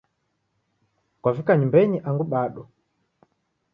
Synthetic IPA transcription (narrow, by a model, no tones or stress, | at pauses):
kwavikaɲumbɛɲiʔaŋɡuɓaɗɔ